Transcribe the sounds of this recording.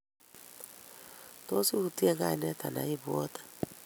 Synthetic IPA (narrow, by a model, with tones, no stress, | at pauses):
to˦si˦hu˨ti˦e˦ŋɡa˦˨nɛ˦ta˨na̰˨i˦βwɔ˦tḁ˨